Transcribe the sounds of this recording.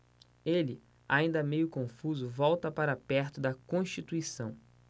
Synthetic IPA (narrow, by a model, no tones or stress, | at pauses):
elɪ | a̰ĩnd̪ɐmejʊkõfuzʊvɔwt̪ɐpaɾapɛɾt̪ʊd̪ɐkõʃt͡ʃit̪uisɐ̃w̃